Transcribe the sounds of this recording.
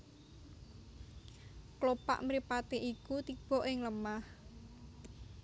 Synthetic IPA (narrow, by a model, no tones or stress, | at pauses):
klopa̰ʔmɾipat̪eʔikut̪ib̥ɔ̤ʔɪŋləmah